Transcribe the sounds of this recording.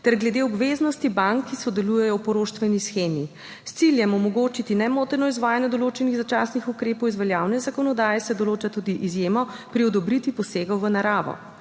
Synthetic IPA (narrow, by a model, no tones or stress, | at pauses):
t̪ɛɾɡlɛd̪eɔbʋeːznɔst̪ibaŋkːisɔd̪ɛlujɛjɔwpɔɾoːʃt̪ʋɛnisxeːmi | st̪siljɛmɔmɔɡoːt͡ʃit̪inɛmoːt̪ɛɾnɔizʋaːjanjɛd̪ɔloːt͡ʃɛniɣzat͡ʃasnixukɾeːpɔwizʋɛljaːwnɛzakɔnɔd̪aːjɛsɛd̪ɔloːt͡ʃat̪ud̪iʔizjeːmɔpɾiɔd̪ɔbɾit̪ʋipɔseːɡɔwʋənaɾaːʋɔ̰